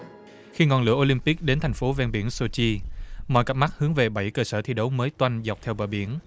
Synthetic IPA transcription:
xi˧ŋɔ˧˩nlɨ̰˧˥əʔo˧li˧mpi˦˥k̚ɗe˨˦nt̪ʰjŋ̟fo˨˦vɛ˧nɓi˧˩ənso˧t͡ɕi˧mɔ̰˧˨jka˦˥ma˦˥k̚hɨ˨˦əŋve˨˩ɓə˧˩jkəː˧səː˧˩t̪ʰi˧ɗə˨˦wməː˨˦jt̪wa˧jŋ̟za˨˩k͡p̚t̪ʰɛ˧wɓəː˧˩ɓḭ˧˩ən

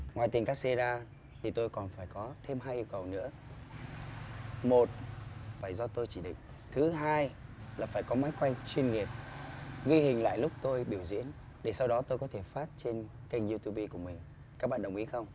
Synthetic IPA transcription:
ŋwaː˨˩jt̪i˨˩ŋ̟kaː˦˥k̚se˧zaː˧ | t̪ʰi˨˩t̪o˧jkɔ˨˩nfaː˧˩jkɔ˨˦t̪ʰe˧mɦaː˧jʔi˧əwkə˨˩wnɨ̰˧˥ə | mo˨˩t̚vaː˧˩zɔ˧t̪o˧jt͡ɕi˧˩ɗḭ̈˧˨ŋ̟ | t̪ʰɨ˨˦ɦaː˧jlaː˨˩faː˧˩jkɔ˨˦maː˨˦jkwa˧jŋ̟t͡ɕwi˧ənŋi˨˩əp̚ɣwi˧hï˨˩ŋ̟la̰ː˧˨jlʊ˦˥k͡p̚t̪o˧jɓi˧˩əwzḭ˧˥ən | ɗe˧˩sa˧wɗɔ˨˦t̪o˧jkɔ˨˦t̪ʰe˧˩faː˦˥t̚t͡ɕe˧n | kə˧ŋzu˧t̪ʰu˧ɓi˧ku˧˩əmï˨˩ŋ̟ | kaː˦˥k̚ɓa̰ː˧˨nɗə˨˩ŋ͡mʔi˨˦xə˧wŋ͡m

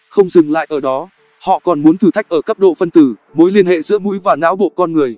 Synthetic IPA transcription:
xə˧wŋ͡mzɨ˨˩ŋla̰ː˧˨jʔəː˧˩ɗɔ˨˦ | hɔ̰˧˨kɔ˨˩nmu˨˦ənt̪ʰɨ˨˧˩t̪ʰjk̚ʔəː˧˩kə˦˥p̚ɗo̰˧˨fə˧nt̪ɨ˧˩mo˨˦jli˧ənhḛ˧˨zɨ̰˧˥əmṵ˧˥jvaː˨˩naː˨˦wɓo̰˧˨kɔ˧nŋɨ˨˩əj

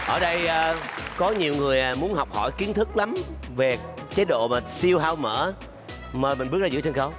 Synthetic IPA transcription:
ʔəː˧˩ɗə˧jʔːkɔ˨˦ɲi˨˩wŋɨ˨˩əjmu˨˦ənɦa˨˩wk͡p̚hɔ˧˩jki˨˦nt̪ʰɨ˦˥k̚la˨˦m | ve˨˩ | t͡ɕe˨˦ɗo̰˧˨maː˨˩t̪i˧əwɦaː˧wmə̰ː˧˥ | məː˨˩mï˨˩ŋ̟ɓt̚zaː˧ɨ̰˧˥t͡ɕə˧nxə˨˦w

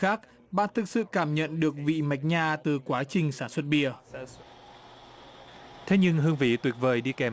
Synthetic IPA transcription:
aː˦˥k̚ | ɓa̰ː˧˨nt̪ʰɨ˨˩k̚sɨ̰˧˨kaː˧˩mɲə̰˧˨nɗɨ˨˩ək̚vḭ˧˨ma˨˩jk̟̚ɲaː˧˩t̪ɨ˨˩kwaː˨˦t͡ɕï˨˩ŋ̟saː˧˩nswə˨˥t̚ɓi˧˩ə | t̪ʰe˨˦ɲɨ˧ŋɦɨ˧əŋvḭ˧˩˥t̪wi˨˩ək̚vəː˨˩jɗi˧kɛ˨˩

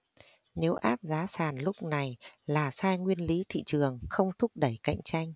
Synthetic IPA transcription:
ne˨˦wʔaː˦˥p̚zaː˨˦saː˨˩nlʊ˦˥k͡p̚na˨˩jlaː˨˩saː˧jŋwi˧ənli˨˦t̪ʰḭ˧˨t͡ɕɨ˨˩əŋxə˧wŋ͡mt̪ʰʊ˦˥k͡p̚ɗə˧˩jka̰˧˨jŋ̟t͡ɕa˧jŋ̟

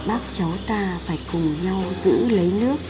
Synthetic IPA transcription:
ɓaː˦˥k̚t͡ɕa˨˦wt̪aː˧faː˧˩jkʊ˨˩ŋ͡mɲa˧wzɨ̰˧˥lə˨˦jnɨ˦˥ək̚

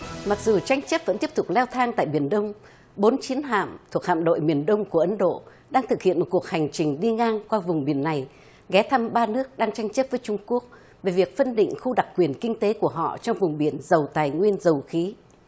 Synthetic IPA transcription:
ma˨˩k̚zu˨˩t͡ɕa˧jŋ̟t͡ɕə˦˥p̚və̰˧˥nt̪i˦˥əp̚t̪ʊ˨˩k͡p̚lɛ˧wt̪ʰaː˧ŋt̪a̰ː˧˨jɓi˧˩ənɗə˧wŋ͡m | ɓo˨˦nt͡ɕi˨˦ənɦa̰ː˧˨mt̪ʰu˨˩əkha̰ː˧˨mɗo̰˧˨jmi˨˩ənɗə˧wŋ͡mku˧˩əʔə˨˦nɗo̰˧˨ | ɗaː˧ŋt̪ʰɨ˨˩k̚hḭ˧˨ənmo˨˩t̚ku˨˩ək̚ha˨˩jŋ̟t͡ɕï˨˩ŋ̟ɗi˧ŋaː˧ŋkwaː˧vʊ˨˩ŋ͡mɓi˧˩ənːa˨˩j | ɣɛ˨˦t̪ʰa˧mɓaː˧nɨ˦˥ək̚ɗaː˧ŋt͡ɕa˧jŋt͡ɕə˦˥p̚vəː˨˦jt͡ɕʊ˧ŋ͡mku˦˥ək̚ | ve˨˩vi˨˩ək̚fə˧nɗḭ̈˧˨ŋ̟xu˧ɗa˨˩k̚kːwi˨˩ənkï˧ŋ̟t̪e˨˦ku˧˩əɦɔ̰˧˨t͡ɕɔ˧wŋ͡mvʊ˨˩ŋ͡mɓi˧˩ənzə˨˩wt̪aː˨˩jŋwi˧ənzə˨˩wxi˨˦

